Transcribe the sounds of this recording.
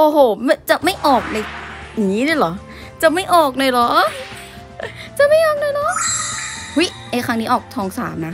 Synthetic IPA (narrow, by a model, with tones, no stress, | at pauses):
ʔoː˧˩ɦoː˨˩˦m˧t͡ɕa˨˩ma˥˩jʔɔː˨˩k̚na˧jŋiː˦˥daː˧˩lɔ˨˦ | t͡ɕa˨˩ma˥˩jʔɔː˨˩k̚naː˧jlɔː˨˦˥ʔ | t͡ɕa˨˩ma˥˩jʔɔː˨˩k̚nɔ˧jlɔ˦˥ | hu˦˥jʔa˧jkɾa˦˥ŋniː˦˥ʔɔː˨˩k̚t̪ʰɔː˧ŋsaː˩˦mna˦˥